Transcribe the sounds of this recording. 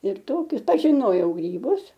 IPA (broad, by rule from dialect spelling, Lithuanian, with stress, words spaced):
ɪr ˈtoːkʲʊs pɐʒʲɪˈnoːjɛʊ ɡrʲiːˈbʊs